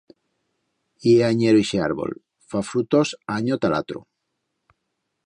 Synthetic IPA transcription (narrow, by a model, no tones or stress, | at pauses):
ieaɲeɾoiʃea̰ɾβo̰l | fafɾut̪osaɲot̪alat̪ɾṵ